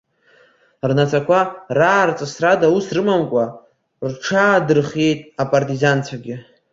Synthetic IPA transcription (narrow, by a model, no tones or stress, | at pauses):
rnat͡sʰakʷʰaraːrt͡sʼasradausrɨmamkʷʼa | rʈ͡ʂʰaːdɨrχejtʼapʼartʼizant͡sʷʰaɡʲɪ